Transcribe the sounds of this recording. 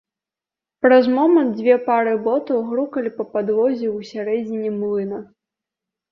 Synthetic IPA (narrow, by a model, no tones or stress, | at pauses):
pɾɐzmɔmɐnd̪̚d͡zʲvʲɛpaɾɨbɔt̪ɐwɣɾukɐlʲipɐpad̪vɔzʲiwsʲaɾɛd͡zʲinʲimlˠɨnɐ